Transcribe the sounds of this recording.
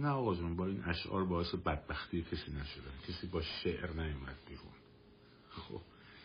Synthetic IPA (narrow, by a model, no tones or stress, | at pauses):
næɒːɣɒːd͡ʒunbɒːiːnʔæʃʔɒ̰ːɾbɒːese̞bæd̪̚bæxt̪ʰiːjecʰesiːnæʃod̪æncʰesiːbɒːʃeʔɾnæjomæ̰d̪̥̚biɾṵn | xo̰b̥